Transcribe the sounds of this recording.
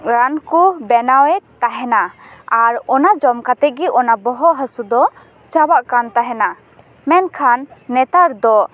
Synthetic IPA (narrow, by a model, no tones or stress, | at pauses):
ɾankubɛnawɛt̪aɦɛnaaɾɔnad͡ʒɔmkat̪ɛɡiʔɔnabɔɦɔʔɦəsud̪ɔ | t͡ʃabaʔkant̪aɦɛna | mɛnkʰanːɛt̪aɾd̪ɔ